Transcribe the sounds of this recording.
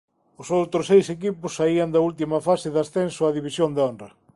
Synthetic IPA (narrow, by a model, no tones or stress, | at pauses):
ʊsowt̪ɾʊsejsekipʊsːaiɐnd̪ɐult̪̬imɐfasɪðasθensʊaðiβisjond̪eonrɐ